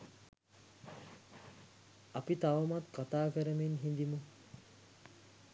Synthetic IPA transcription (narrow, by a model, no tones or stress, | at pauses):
apit̪aʋɐmat̪kat̪aːkəɾəmenɦind̪imu